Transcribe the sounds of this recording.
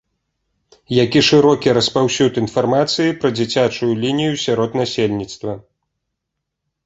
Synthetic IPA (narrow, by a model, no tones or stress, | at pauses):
jakʲiʂɨɾɔkʲiɾɐspawsʲut̪in̪farmat̪sɨjipɾɐd͡zʲit͡sʲat͡ʂujulʲinʲijusʲaɾɔt̪nasʲelʲnʲit̪st̪vɐ